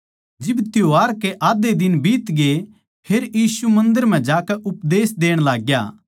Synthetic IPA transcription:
d͡ʒɪbt̪joaːɾkeʔaːd̪ed̪ɪnbiːt̪ɡe | pʰeːɾjiːsumɐ̃nd̪əɾm̤ɛ̃d͡ʒaːkɛʔʊpd̪eːsd̪eːɽ̃laːɡja̰ː

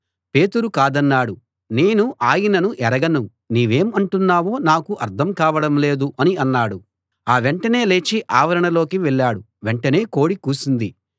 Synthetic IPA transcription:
pe̞ːt̪uɾukaːd̪ɐnːaːɽu | ne̞ːnuʔaːjinɐnuʔɛɾɐɡɐnu | niːʋe̞ːmɐɳʈunːaːʋo̞ːnaːkuʔɐɾt̪ʰɐmkaːʋɐɽɐmle̞ːd̪uʔɐniɐnːaːɽu | aːʋeɳʈɐne̞ːle̞ːt͡ʃiʔaːʋɐɾɐɳɐlo̞ːkiʋɛɭːaːɽu | ʋeɳʈɐne̞ːko̞ːɽikuːsind̪i

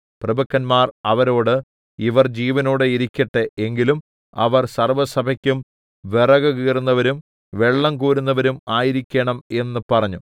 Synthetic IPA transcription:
prɐbɐkːɐnmaːrɐʋɐɾo̞ːɽɨ | iʋɐrd͡ʑiːʋɐno̞ːɽeiɾikʲːɐʈːeeŋɡilum | ɐ̰ʋɐrsɐrʋɐsɐbʱɐkʲːum | ʋe̞rɐɣɐɣiːrunːɐʋɐɾum | ʋe̞ɭːɐmkuːɾunːɐʋɐɾumaːjiɾikʲːeɳɐme̞nːɨpɐrɐɲːu

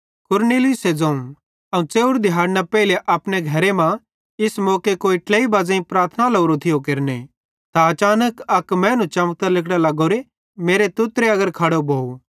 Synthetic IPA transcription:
kʊɾneːlɪʊsed͡zɐ̃ːũ | ɐũt͡seːʊɾd̪ɪɦaːɾnapɛːɪleʔɐpneɡʱɐɾemã | ɪsmɔːkekoːiʈleːibaːd͡zãːĩpɾaːɾt̪ʰnaloːɾot̪ʰɪjokeɾnḛ | t̪aɐt͡ʃaːnəkɐkmɛ̃ːnũt͡ʃɐmk̚t̪əlɪkɽalɐɡoːɾe | meːɾet̪ʊt̪ɾeɐɡəɾkʰɐɽobʱoːu

